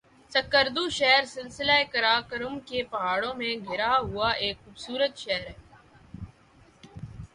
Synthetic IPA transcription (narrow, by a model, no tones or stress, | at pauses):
sɐkːəɾd̪uʃɛɦɾsɪlsɪlaːekɐɾaːkəɾʊmkepɐɦaːɽõmẽɡʱɪɾaɦʊaʔeːkxuːbsuːɾət̪ʃɛɦɾɛː